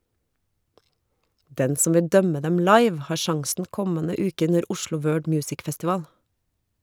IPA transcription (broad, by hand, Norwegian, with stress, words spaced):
ˈdɛn ˈsʊm ˈʋɪ ˈdœmə ˈdɛm ˈlɑɪʋ ˈhɑːɾ ˈʃɑŋsn̩ ˈkɔmənə ˈʉːkə ˈʉnəɾ ˈʊʃlʊ ˈwɜːɖ ˈmjʉːsɪk fɛstɪˈʋɑːl